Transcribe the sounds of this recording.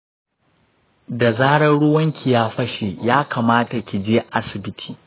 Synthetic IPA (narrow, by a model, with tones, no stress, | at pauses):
da˨zaː˦ɽɐ˦nɽʊ˦wɐ˦ŋkʲi˨jaː˦ɸɐ˦ʃe˨jaː˦kaː˨maː˦ta˨kʲi˨d͡ʒeː˦ʔa˦sɪ˨bɪ˦tʰi̥ː˨